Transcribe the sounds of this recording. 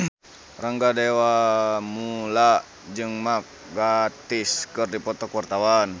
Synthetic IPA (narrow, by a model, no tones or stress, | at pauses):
raŋɡadewamula | d͡ʒɨŋmak̚ɡat̪iskɨrdipɔt̪ɔkwart̪awan